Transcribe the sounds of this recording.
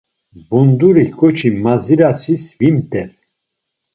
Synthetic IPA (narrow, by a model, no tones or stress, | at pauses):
bund̪uɾikʰʼɔt͡ʃʰimaziɾasisvimt̪ʰʼɛɾ